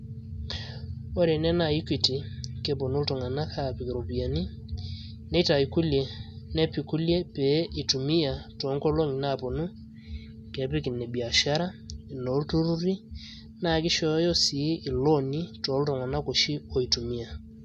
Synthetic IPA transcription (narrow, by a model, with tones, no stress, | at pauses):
o˦ɾe˨nɛ˦na˨i˦kwi˨ti˨ke˨p̬o˨nu˦ltɔ˨ŋa˨na˦kʰa˦˨pɪ˨ki˨ɾo˨pi˨a˨ni˦ | ne˦ta˨i˨ku˦lje˨nɛ˦pi˨ku˦lje˦pe˨˦ʔɪ˨tu˨mi˦ja˨tɔ˨˦ŋkɔ˦lo˦ŋi˨na˦˨po˨nu˦ | kɛ˨˦pɪ˦kɪ˨nɛ˨bi˨a˨ʃa˦ɾa˦i˨no˨˦lto˦ɾu˦ɾi˦ | na˦˨kɪ˦ʃɔ˦jɔ˦si˨˦ʔɪ˨lo˦ni˦tɔ˨˦ltɔ˨ŋa˨na˦ko˨ʃi˦o˨i˨tu˨mi˦a˨